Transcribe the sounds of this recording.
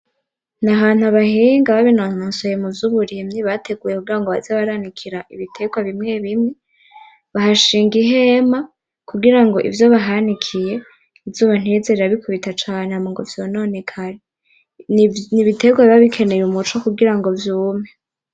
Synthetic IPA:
naɦaːn̥huaβahiːŋɡaβaβinonoːnsojemuvjuβuɾimɲiβatʰe̞ɡuːjekuɡiɾaŋɡo̞βazeβaɾanikʰiɾaʔiβitʰe̞ɡwaβimŋe̞βimŋe | βaɦaʃiːŋɡiɦe̞ma | kuɡiɾaŋɡo̞ʔḭvjo̞βaɦanikʰije̞ | ivjuːβan̥iezeɾeɾaβikʰuβitat͡ʃaːnehamoŋɡovjo̞no̞ːne̞kʰaɾe | niβitʰe̞ːɡwaβiβaβikʰe̞neɾumut͡ʃokuɡiɾaŋɡo̞vjuːme

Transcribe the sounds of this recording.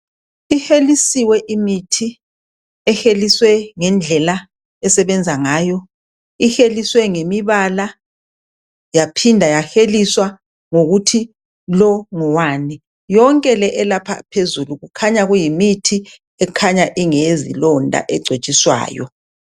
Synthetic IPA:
ihelisiwɛʔimitʰi | ɛxeliswɛŋɛnd͡ɮʱɛla | ɛsɛβɛnd͡zʱaŋaːjɔ | ixeliswɛŋemiβala | japʰindʱajaxeliswa | ŋoɣutʰi | lɔŋɔwaːni | jɔŋkʼɛlɛʔɛlapʰa̰pʰezuluɣukʰaɲaɣujimitʰi | ɛkʰaɲaʔiŋezḭlɔndʱa̰ʔɛɡ͡ǀʱet͡ʃʼiswa̰ːjɔ̰

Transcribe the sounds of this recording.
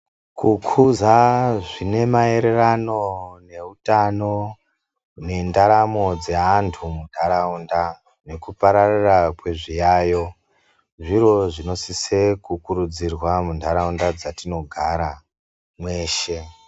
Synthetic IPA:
kukʰuzaʐine̞mae̞ɾe̞rano̞ne̞utano̞ | ne̞ndaɾamo̞d͡ze̞antʰumundʰʱaɾaunda | ne̞kupaɾarirakwe̞ʐijaːjo̞ | ʐiro̞ʐino̞sisekukuɾud͡zirwamundʱaɾaundad͡zatino̞ɡʱaɾa | mwe̞ːʃe̞

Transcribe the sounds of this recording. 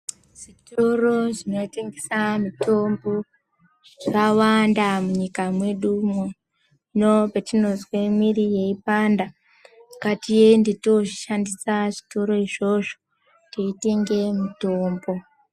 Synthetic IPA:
ʐ̥ito̞ro̞ʐino̞iteŋɡesamito̞mbo | ʐawandamuɲikamwe̞ɗumo | nopetino̞zwe̞mirije̞ipanda | katijendito̞ʐiʃandisaʐito̞ɾo̞iʐo̞ʐo | teite̞ŋɡe̞mitoːmbo̞

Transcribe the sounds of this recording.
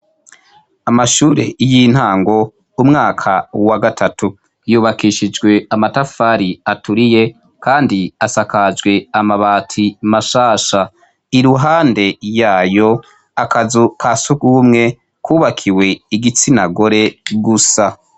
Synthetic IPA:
amaʃuːɾe̞̰jin̥haːŋɡo̞ | umŋaːkʰawaɡatʰatu | juːβakiʃid͡ʒɡwe̞amatafaɾiatuɾije̞ | kaːndiasakad͡ʒɡwe̞amaβaːtʰimaʃaːʃa | iɾuɦaːnde̞jaːjo̞ | akazukʰasukumŋe̞ | kuːβakʰiwe̞iɡit͡sinaɡo̞ɾe̞ɡusa

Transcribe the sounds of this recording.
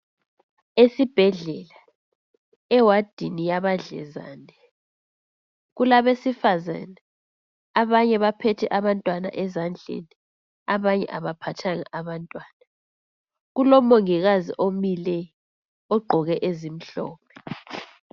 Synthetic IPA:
esib̥ʱɛɮɛla | ɛwad̥ʱinijaβaɮɛ̰za̰ːnɛ | ɣulaβesifaza̰nɛ | aβaɲɛβapʰɛtʰɛʔaβantʼwana̰ʔɛzand͡ɮʱḛni | aβaɲɛ̰ʔaβapʰatʰaŋa̰ʔaβantʼwaːna | ɣulɔmoŋiɣazḭʔomilɛ | ɔɡ͡ǃʱɔɣɛʔezim̩ɬɔ̰ːpʰɛ

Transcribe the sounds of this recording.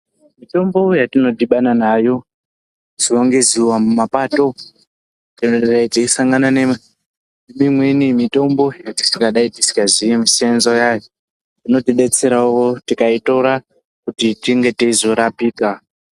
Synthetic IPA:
mito̞mbo̞jatino̞diɓananaːjo̞ | z̥iwoŋɡeziwamumapato̞ | tioraitesaŋɡanane | nemimwenimito̞mbo̞jati̥sikaɗaitisi̥kazijemisianzojaj | tino̞tiɗe̞t͡se̞ɾauʋo̞tikaito̞ɾa | kutitiŋɡe̞teizo̞ɾapiːka

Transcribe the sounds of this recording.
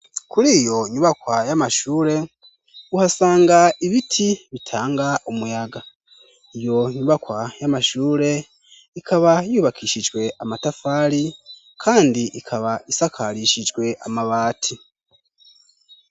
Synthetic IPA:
kuɾijo̞ɲuβakwajamaʃuːɾe̞ | uhasaːŋɡaiβitʰiβitʰaːŋɡaumujaɡa | ijo̞ɲuβakwajamaʃuːɾe̞ | ikʰaβajuːβakʰiːʃid͡ʒɡwe̞ʔamatafaːɾi | kʰaːndiʔikʰaβaisakʰaɾiʃid͡ʒɡwe̞ʔa̰maβaːtʰi

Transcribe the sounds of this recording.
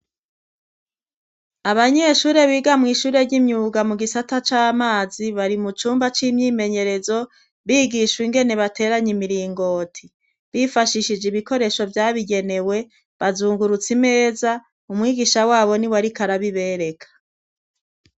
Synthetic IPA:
aβaɲe̞ʃuːɾe̞βiːɡamŋiːʃuːɾe̞ɾɟimɲuːɡamuɡisatat͡ʃaːmaːziβaɾimut͡ʃuːmbat͡ʃiːmɲiːme̞ɲe̞ɾe̞zo̞ | βiːɡiʃwiŋɡe̞ne̞βatʰe̞ːɾaɲimiɾiːŋɡo̞tʰi | βifaʃiʃid͡ʒeβiko̞ɾe̞ʃo̞vjaːβiɡe̞ne̞we̞ | βazuːŋɡuɾut͡sime̞ːza | umŋiːɡiʃawaːβo̞niwaɾikaɾaβiβe̞ːɾe̞kʰḁ

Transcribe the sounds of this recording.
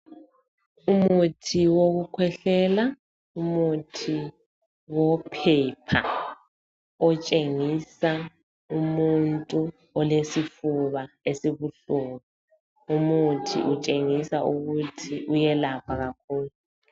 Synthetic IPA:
umutʰiwoɣukʰwɛɬɛla | umutʰi | wɔpʰɛpʰa̰ | ɔt͡ʃʼeŋisa | umuntʼu | ɔlesifuβa | esiβuɬunɔ | umutʰḭʔut͡ʃʼeŋisaʔuɣutʰiʔujɛlapʰaɣakʰuːlu

